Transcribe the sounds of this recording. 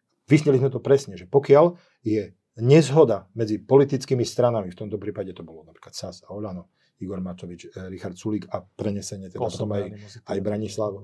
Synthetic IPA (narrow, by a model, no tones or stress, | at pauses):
ʋizɲɛlizmɛt̪ɔpɾɛsɲɛʒɛpɔkɪal | jɛ | ɲɛzɦɔd̪amɛd͡zipɔlit̪it͡skiːmist̪ɾanamift̪ɔmt̪ɔpɾiːpaɟɛt̪ɔbɔlɔnapɾi̥klat̪sasaɔʎanɔ | iɡɔɾmat͡ʃɔʋit͡ʃɾixaɾt̪suliːkapɾɛɲɛsɛɲɛt̪ɛd̪apɔt̪ɔmajajbɾaɲislaʋ